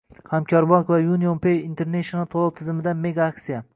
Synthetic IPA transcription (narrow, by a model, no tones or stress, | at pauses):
hamkʲʰɒɾbɒkvajunionpejint̪ʰe̞ɾneʃnat̪ʰolˠɒwt̪ʰɪzɪmɪd̪ameɡaaksija